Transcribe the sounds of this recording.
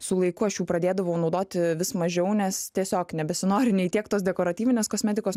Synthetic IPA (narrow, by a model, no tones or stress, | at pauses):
sʊlˠɐɪkʊɐʃjuːpɾɐd̪ʲeːd̪ɐʋɐʊnɐʊd̪oːt̪ʲɪʋʲɪsmɐʒʲɛʊnʲɛst̪ʲiɛsʲoːknʲɛbʲɛsʲɪnoːɾʲɪnʲɛɪt̪ʲiɛkt̪oːsd̪ʲɛkoːɾɐt̪ʲiːʋʲɪnʲeːskoːsʲmʲɛt̪ʲɪkoːs